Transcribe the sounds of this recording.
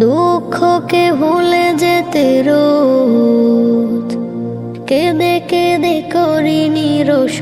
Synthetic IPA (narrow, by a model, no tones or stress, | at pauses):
d̪ukʰːokebʱuled͡ʑet̪eɾo | t̪ | ked̪eked̪ekoɾiniɾoʃ